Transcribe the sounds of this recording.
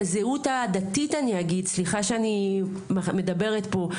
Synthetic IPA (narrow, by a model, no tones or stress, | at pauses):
zeutad̪at̪itaniaɡid̪̚sliχaʃeani | mamed̪abe̞ʁet̪po̞